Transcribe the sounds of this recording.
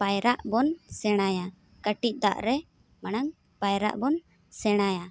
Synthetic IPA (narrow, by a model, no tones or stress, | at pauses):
pajɾaʔbɔnsɛɽ̃aja | kəʈic̪̚ˀd̪a̰ʔɾɛ | mañaŋ | pajɾa̰ʔbɔn | sɛɽ̃aja